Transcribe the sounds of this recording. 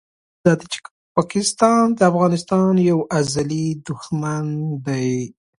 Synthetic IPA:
d̪ɑd̪et͡ʃe̥ | pɑkɪst̪ɑnd̪əafɣɑnɪst̪ɑnjawʔazalid̪ʊxmand̪aj

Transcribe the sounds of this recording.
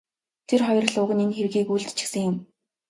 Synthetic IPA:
t̪ʰerχɔjr̆ɮʊːʁə̆ninxerɣiːkujɮt̪t͡ɕɪ̥̆xsə̆ŋjʊm

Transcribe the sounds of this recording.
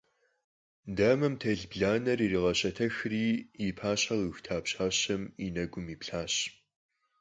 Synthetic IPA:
dɐmɐmtʰɐɮbɮaːnɐririʁɐɕʼɐtʰɐxriːipʰaːɕɐʁɨxtʰaːpɕaːɕɐminɐɡʷʊmiːpɬaːɕ

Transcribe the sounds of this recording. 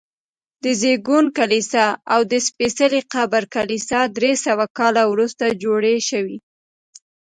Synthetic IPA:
d̪əzeɡunkalisɑawd̪əspesaliqabaɾkalisɑd̪ɾesawakɑlawɾust̪ad͡ʒoɽeʃəwi

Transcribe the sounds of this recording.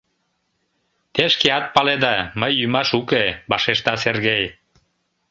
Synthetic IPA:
t̪eʃkeɑt̪̚pɑled̪ɑməjːymɑʃukebɑʃeʃt̪ɑserɣej

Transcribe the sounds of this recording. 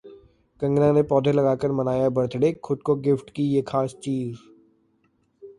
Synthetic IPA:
kɐ̃ŋɡnãnepɔːd̪ʱelɐɡaːkəɾmɐnaːjabɐɽt̪ʰɽexʰʊd̪̚koɡɪfʈkijekʰaːst͡ʃiːz

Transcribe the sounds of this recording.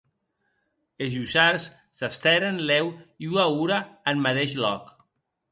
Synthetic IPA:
ezusaɾsː | ast̪ɛɾənlɛwiuauɾaːnːat̪eʃlɔk

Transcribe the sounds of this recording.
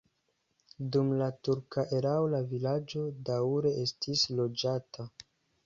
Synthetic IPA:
dumlatuɾkaʔeɾawlavilad͡ʒo̞daɾe̞estʰislo̞d͡ʒatʰa

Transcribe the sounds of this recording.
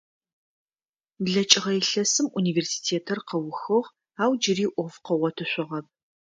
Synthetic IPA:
bɮɐt͡ʃʼɪʁɐjɪɬɐsɨmʔuniːveːrsi̥ːtʰeːtʰɐrqɐwʊxɨʁ | aːwd͡ʒɪriːʔʷɔfqɐʁɔtʰɨɕʷʼʊʁɐp̚

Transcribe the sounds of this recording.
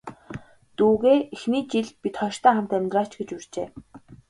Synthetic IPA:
t̪uːɣeːexniːt͡ɕiɮpit̪χɔʃt̪æːχam̥t̪æmʲt̪rḁːt͡ɕɡet͡ɕur̥t͡ɕeː

